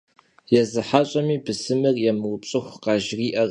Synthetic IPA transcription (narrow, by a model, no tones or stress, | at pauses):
jɛzɨħaɕʼɐmiːbɨsɨmɨrjɛmɨwʊpɕʼɨxʷqɑʒriːʔɐr